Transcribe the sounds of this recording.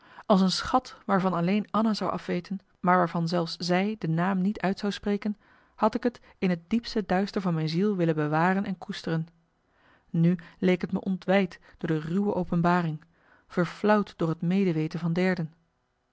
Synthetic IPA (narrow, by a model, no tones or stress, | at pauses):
ɑlˠsənsχɑtʋaːɹvɑnɑlejnɑnazɑwʔɑ̰fʋejtʰən | maːɹʋaːɹvɑnzɛlˠfszɛjdənaːmnitʰœɥtsɑwsprejkən | hɑtɪkɦət | ɪnɦət̚dipstədœɥstəɹvɑnmɛjnzilˠʋɪlənbəʋaːrənʔɛnkustərən | nylejkɦətmə̰ʔɔntʋɛjtd̥ʊːɹdəryʋəʔowpənbaːrɪŋ | v̥əɹflʌwtd̥ʊːɹɦətmejdəʋejtənvɑndɛɹdən